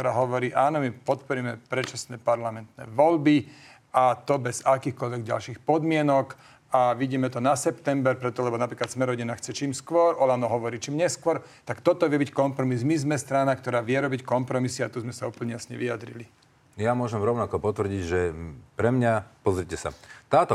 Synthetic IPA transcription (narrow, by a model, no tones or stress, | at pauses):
kt̪ɔɾaːɦɔʋɔɾiːʔaːnɔmipɔt̪pɔɾimɛpɾɛt͡ʃasnɛːpaɾlamɛnt̪nɛ̰ːʋɔlbi | ʔat̪ɔbɛzakiːxkɔʎʋɛɡɟa̰lʃiːxpɔd̪mɪɛnɔk | aʋiɟiːmɛt̪ɔnasɛpt̪ɛmbɛɾpɾɛt̪ɔlɛbɔnapɾiːklat̪smɛɾɔɟinaxt͡sɛt͡ʃiːmskʋɔɾɔlanɔɦɔʋɔɾiːt͡ʃiːmɲɛskʋɔɾ | t̪akt̪ɔt̪ɔʋɪɛbickɔmpɾɔmizmizmɛst̪ɾanakt̪ɔɾaːʋɪɛɾɔbickɔmpɾɔmisiat̪uzmɛsauːpl̩ɲɛjasɲɛʋijad̪ɾḭli | jamʊɔʒɛmɾɔʊnakɔpɔt̪ʋrɟiɟʒɛpɾɛmɲapɔzɾicɛsa̰t̪aːt̪ɔ